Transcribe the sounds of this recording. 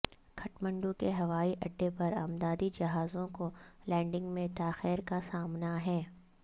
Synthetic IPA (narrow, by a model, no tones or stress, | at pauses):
kʰɐʈmə̃ɳɖũkeɦɐʋaːiʔɐɖːepɐɾa̰ːmd̪aːd̪id͡ʒɐɦaːzõkolɛ̃ːɳɖɪ̃ŋɡmẽt̪aːxɛːɾkasaːmnaɦɛː